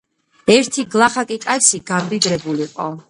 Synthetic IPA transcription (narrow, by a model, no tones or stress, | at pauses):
ɛɾt̪ʰiɡlˠaχakʼikʼajsiɡamd̪id̪ɾɛbuliqʼɔ